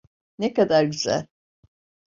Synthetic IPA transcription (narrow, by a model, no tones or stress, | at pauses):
nekad̪aɾɟyzæ̰lʲ